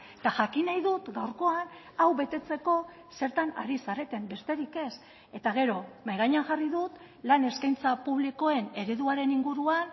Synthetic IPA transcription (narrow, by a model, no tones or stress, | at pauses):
t̪aʝakinajðut̪ɡawɾko̞an | awβe̞t̪e̞t͡se̞ko̞ | se̞ɾt̪ana̰ɾisaɾe̞t̪e̞mbe̞st̪e̞ɾike̞s | e̞t̪aɣ̞e̞ɾo̞majɣajɲaŋʝariðut̪ | lane̞skajnt͡sapuβliko̞e̞ne̞ɾe̞ðuaɾe̞niŋɡuɾuan